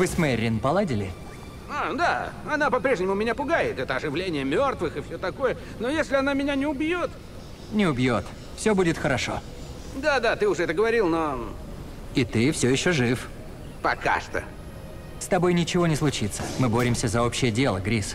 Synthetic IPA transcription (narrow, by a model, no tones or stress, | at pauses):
vɨsmɛrʲːɪnpɐlˠadʲɪlʲɪ | ad̪aɐnapɐpɾʲeʐnʲɪmʊmʲɪnʲapʊɡajɪt̪ɛt̪əɐʐɨvlʲenʲɪjəmʲort̪vɨxɨfsʲot̪ɐko̞jə | nojesʲlʲɪɐnamʲɪnʲanʲɪʊbjot̪ | nʲɪʊbʲjo̞t̪ | fsʲo̞budʲɪt̪xəɾɐʂo̞̰ | d̪ad̪at̪ɨʊʐɛɛt̪əɡəvɐɾʲilˠno | ɪt̪ɨfsʲojɪɕːoʐɨf | pɐka̰ʂt̪ə̰ | st̪ɐbo̞jnʲɪt͡ɕɪvo̞nʲɪslˠʊt͡ɕit̪sə̥mɨbo̞ɾʲɪmsʲəzɐopɕːɪjədʲe̞lˠəɡɾʲis